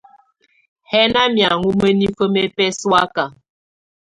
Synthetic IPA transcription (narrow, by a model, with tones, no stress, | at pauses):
hɛ˦na˦mja˨ŋu˦me˦ni˦fə˦me˦pɛ˦swa˦ka˨